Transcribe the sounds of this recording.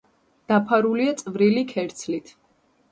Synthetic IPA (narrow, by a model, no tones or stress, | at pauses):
d̪̥apʰaɾuliat̪sʼvɾilikʰɛɾt̪sʰlit̪ʰ